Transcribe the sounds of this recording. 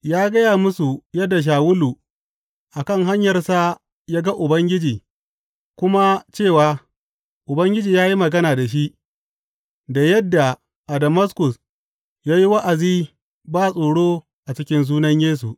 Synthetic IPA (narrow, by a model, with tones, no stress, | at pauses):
jaː˦ɡɐ˦jaː˨mʊ˦su˨jɐ˦dːa˨ʃ̬aː˨wʊ˦lu˨ | ʔa˨kɐ˦˨ŋɦa˦ɲjɐ˨rsa˦ | jaː˦ɡa˦ʔʊ˨bɐ˦ŋɡʲɪ˦d͡ʒiː˨ | kʷʊ˦ma˦t͡ʃeː˦˨waː˦ | ʔʊ˨bɐ˦ŋɡʲɪ˦d͡ʒiː˨jaː˦ji˦mɐ˨ɡɐ˦naː˨da˨ʃ̬i˦ʔ | da˨jɐ˦dːa˨ | ʔa˨dɐ˨mɐ˦skʊ˨s | jaː˦ji˦wa˦ʔa˨ziː˦ | baː˦˨sʼoː˨ɽoː˦ | ʔa˨t͡ʃɪ˦kʲɪ˦nz̬uː˦nɐ˦ɲjeː˦s̬u˨ʔ